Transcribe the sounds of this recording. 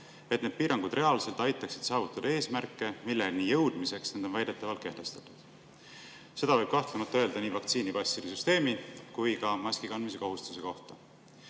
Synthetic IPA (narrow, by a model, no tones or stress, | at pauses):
e̞t̪ned̪̥piːɾɑŋɡ̥ud̪̥re̞ɑlse̞lt̪ɑjt̪ːˑɑksi̥d̪̥sɑːvut̪ːˑud̪̥e̞ːsmærkːˑe̞milːelniːjɤwd̪̥mise̞ksned̪̥o̞nvæjd̪̥et̪ːˑɑvɑlt̪̚ke̞ht̪e̞st̪ɑ̥t̪ːˑud̪̥ | se̞d̪̥ɑvɤjb̥kɑht̪lunud̪̚t̪ɤ̞e̞ld̪ɑniːvɑkt̪siːnipɑsːilisyst̪e̞ːmikujkɑmɑskikɑnd̪mise̞ko̞ɦust̪u̥se̞ko̞ht̪ɑ